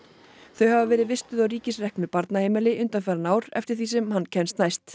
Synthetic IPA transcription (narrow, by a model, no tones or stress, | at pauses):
θœɥhavavɛːɾɪðvɪst̪ʏðawɾiːcɪsrɛhknʏpaɾt̪naheːjmɪlɪʔʏnt̪anfɛɾanaːwɾɛ̰ft̪ɪɾ̥θiːsɛmhanːcʰɛnst̪najst̪